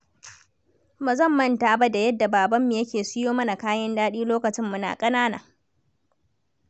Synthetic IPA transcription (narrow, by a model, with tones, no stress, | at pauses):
ma˨zɐ˦˨mːɐ˦˨ntaː˨ba˦da˨jɐ˦dːa˨baː˨bɐ˦mːi˨jɐ˦kʲeː˨sɪ˦joː˦mɐ˦na˨kaː˦jɐ˦ndaː˦ɗiː˦loː˦kɐ˨t͡ʃɪ˦mːʊ˦na̰ː˨kʼɐ˦naː˦na̰ː˨